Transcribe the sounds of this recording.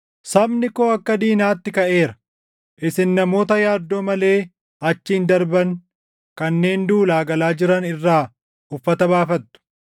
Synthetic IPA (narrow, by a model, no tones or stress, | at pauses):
sɐbnɪkoːɐkːɐd̪iːnaːt̪ːɪkɐʔe̞ːɾɐ̥ | ʔɪsɪnːɐmo̞ːt̪ɐjaːd̪ːo̞ːmɐle̞ː | ɐt͡ʃːiːnd̪ɐɾbɐŋ | kɐnːe̞ːnd̪uːlaːɡɐlaːd͡ʒɪɾɐnɪrːaː | ʊfːɐt̪ɐbaːfɐt̪ːʊ̥